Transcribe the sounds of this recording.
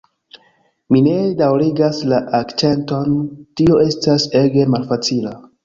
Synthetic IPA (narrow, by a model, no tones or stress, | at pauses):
mine̞dawɾiɡaslaʔakt͡ʃe̞nto̞ntio̞e̞stase̞ɡe̞malfat͡sila